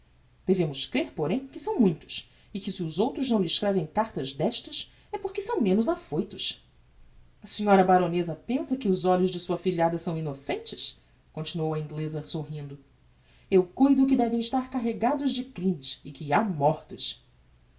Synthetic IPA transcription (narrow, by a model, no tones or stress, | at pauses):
d̪̥evẽmʊskɾeɾpoɾẽj̃kɪsɐ̃w̃mũj̃t̪ʊ̥s | ɪkɪsɪʊzowt̪ɾʊznɐ̃w̃lɪʃkɾɛvẽj̃kaɾt̪ɐzd̪ɛʃt̪ɐs | ɛpoɾkɪsɐ̃w̃mẽnʊzafojt̪ʊs | ɐsiɲɔɾɐbaɾonezɐpẽsɐkɪʊzɔʎʊzd͡ʒɪsuɐfiʎad̪ɐsɐ̃w̃inosẽnt͡ʃɪ̥s | kõnt͡ʃinuowɐĩŋɡlezɐsoɦĩnd̪ʊ | ewkujd̪ʊk̬ɪd̪ɛvẽj̃ɪʃt̪aɾkaɦeɡad̪ʊzd͡ʒɪkɾĩmɪsɪkɪamɔɾt̪ʊs